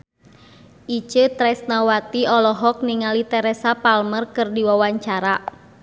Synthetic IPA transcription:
ʔit͡ʃət̪ɾɛsnawat̪iɔlɔɦɔk̚niŋalit̪ɛɾɛsapalmərkɨrdiwawaɲt͡ʃaɾa

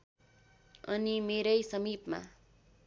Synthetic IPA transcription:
ʌnimeɾʌjsʌmipma̰

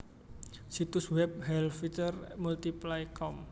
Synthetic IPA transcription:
sit̪uswɛp̚hɛlfit͡ʃərmult̪iplajkɔm

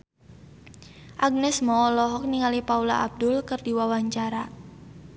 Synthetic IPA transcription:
ʔaɡ̚nɛsmɔɔlɔɦɔk̚niŋalipaula̰ʔab̚dʊlkərdiwawaɲt͡ʃaɾa

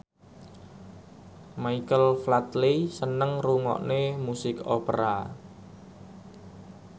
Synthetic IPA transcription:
maikəlflat̪lisənəŋruŋɔ̰ʔnemusɪkopəɾa

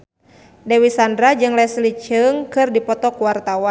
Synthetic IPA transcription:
dɛwisandɾad͡ʒɨŋlɛslit͡ʃɨŋkɨrdipɔt̪ɔkuwart̪awan

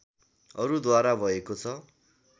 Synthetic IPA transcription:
ʌɾud̪waɾabʱʌekot͡sʰʌ

